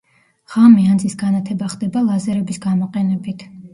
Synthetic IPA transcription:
ʁ̥amiand̪zisɡanat̪ʰɛbaχd̪ɛbalˠazɛɾɛbisɡamɔqʼɛnɛbit̪ʰ

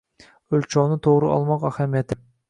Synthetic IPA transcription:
ølʲt͡ʃʰɑnɪt̪ʰoʁɾɨɑ̰lˠmɑqæhæmijɛt̪ʰɪ

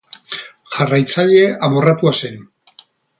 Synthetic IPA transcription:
ʝarajt͡saʎe̞amo̞rat̪uase̞n

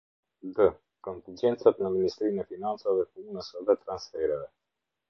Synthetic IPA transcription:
d̪ə | kont̪ind͡ʒent̪sapenaminist̪ɾinefinant̪səavekuunəsəvət̪ɾansfeɾaɾe

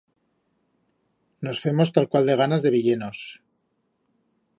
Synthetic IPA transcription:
no̞sfe̞mo̞st̪alkwald̪e̞ɣ̞anazðe̞βiʎe̞nos

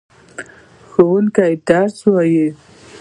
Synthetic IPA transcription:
xowuŋkajt̪ɑɾswaji

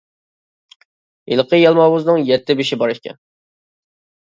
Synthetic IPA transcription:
ilˠqʰəjɑlˠmɑwuznɨŋjɛt̪ʰːɪbɪʃɪbɑɾɨʃkʲʰɛ̰n

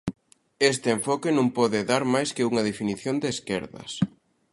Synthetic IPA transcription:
est̪ɪeɱfɔkenõmpɔðɪðaɾmajskɪuŋɐðefiniθjond̪eːskɛ̰ɾðɐ̰s

